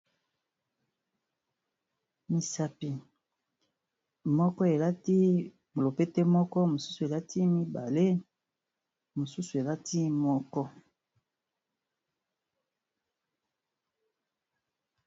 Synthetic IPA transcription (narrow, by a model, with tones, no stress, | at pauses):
mi˨sa˦pi˨ | mɔ˦kɔ˦e˨la˦ti˦ | mo˨lo˨pe˦te˦mɔ˦kɔ˦mo˨su̥˦su˨e˨la˦ti˦mi˦ba˨le˦ | mo˨su˦su˨e˨la˦tʰi˦mɔ˦kɔ˦